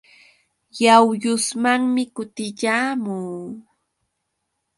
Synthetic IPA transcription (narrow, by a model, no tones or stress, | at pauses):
jawjʊsmaŋmɪkʊt̪ɪʎaːmuː